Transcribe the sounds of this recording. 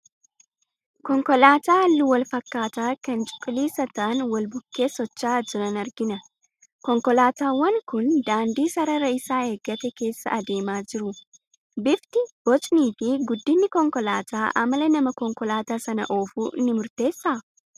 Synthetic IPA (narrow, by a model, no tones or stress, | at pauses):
kɔŋkɔlaːt̪aːɐlːʊwɐlfɐkːaːt̪aːkɐnt͡ʃʼɪ̥kʼːɪliːsɐt̪ɐʔɐnwɐlbʊkːe̞ːsɔt͡ʃːaːd͡ʒɪɾɐnɐɾɡɪnɐ | kɔŋkɔlaːt̪aːwɐŋkʊnd̪aːnd̪iːsɐɾɐɾɐɪsaːeːɡːɐt̪ɛke̞ːsːɐ̰ʔɐd̪e̞ːmaːd͡ʒɪɾʊ | bɪft̪ɪb̥ɔt͡ʃʼniːfɪɡʊd̪ːɪnːɪkɔŋkɔlaːt̪aːʔɐ̰mɐlɛnɐmɐkɔŋkɔlaːt̪aːsɐnɐ̰ʔoːfuːʔɪnɪmʊɾt̪e̞ːsːaː